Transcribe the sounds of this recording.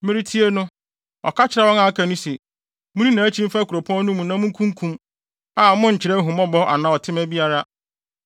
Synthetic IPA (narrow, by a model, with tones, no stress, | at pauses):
mɪ̃˦ɾi˦tʰi˦e˦nʊ̃˦ | ɔ̰˨kʰa˦t͡ɕʰɪ˨ɾa˦wɔ˦ŋa˨˦kʰa˨nʊ̃˦sɛ˨ | mũ˦nĩ˦nã˨æ˦t͡ɕʰĩ˦m˦fa˦kʰu˨ɾo˨pʰɔ̃˦n˦nʊ̃˦mũ˨nã˦mũ˦ŋ˦kʰũ˦ŋ˦kʰũ˦m | a˨mʊ̃˦ɲ̩˨t͡ɕʰɪ˨ɾɛ˦ɦũ˨mɔ̃˦bɔ˦ʔa̰˨nã˦ɔ˨tʰɪ˦mæ˦bi˦a˦ɾa˦